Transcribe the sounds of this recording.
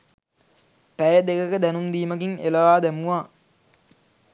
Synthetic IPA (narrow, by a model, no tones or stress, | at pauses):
pæjəd̪ekəkəd̪ænund̪iːməɡiŋeləʋaːd̪æmuʋaː